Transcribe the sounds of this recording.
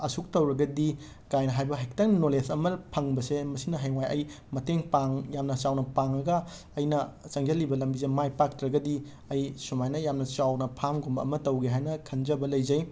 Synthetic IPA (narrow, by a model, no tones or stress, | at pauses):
ɐsuk̚tɐwɾɐɡɐdi | kajnɐɦajbɐɦek̚tɐŋnolesɐmɐpʰɐŋbɐsemɐsinɐɦɐjwajʔɐj | mɐteŋpaŋjamnɐt͡ʃawnɐpaŋɐɡɐː | jnɐsɐŋd͡ʒɐlːibɐlɐmbizemajpak̚tɾɐɡɐdi | ɐjsumajnɐjamnɐt͡ʃawnɐpʰamɡombɐɐmɐtɐwɡeɦajnɐkʰɐnd͡ʒɐbɐlɐjzɐj